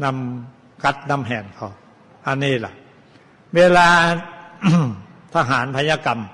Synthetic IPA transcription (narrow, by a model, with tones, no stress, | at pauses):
na˧m | kʰa˦˥t̪̚na˧˥mɦɛː˨˩nkʰa˧˩ | ʔa˧niː˧˩la̰˨˦ʔ | weː˧laː˧ | t̪ʰa˧ɦaː˩˦npʰa˧njaː˧ka˨m